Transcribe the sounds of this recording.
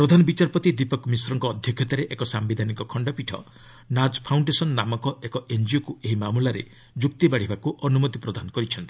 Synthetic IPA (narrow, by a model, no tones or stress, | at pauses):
pɾɔd̪ʱanɔbit͡ʃaɾpɔt̪id̪ipɔkmisɔɾɔŋkɔːd̪ʱjɔkʰjɔt̪aɾeʔekɔsambid̪ʱaniŋkɔkʰɔɳɖɔpiʈʰɔ̰ | nad͡ʒpʰawɳɖesɔnnamɔkɔekɔend͡ʒiokueɦimamulaɾḛ | d͡ʒuk̚t̪ibaɽ̤ibakuʔɔnumɔt̪ipɾɔd̪ʱanɔkɔɾit͡ʃʰɔnt̪i̥